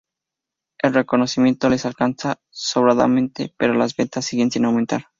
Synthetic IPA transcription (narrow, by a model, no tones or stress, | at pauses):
e̞lre̞ko̞no̞simje̞nt̪o̞le̞salkansa | soβɾaða̰mẽ̞nt̪e̞̰pe̞ɾolazβent̪asːiɣe̞nsinawment̪a̰ɾ